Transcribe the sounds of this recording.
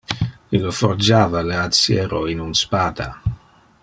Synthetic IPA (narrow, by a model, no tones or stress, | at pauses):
iloford͡ʒaːvaleat̪sjɛːɾoinunspaːd̪a̰